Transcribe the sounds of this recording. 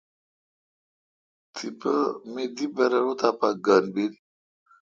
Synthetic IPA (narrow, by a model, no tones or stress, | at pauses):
t̪ʰipəmed̪ibɐɾaɾot̪apaɡanbiɾi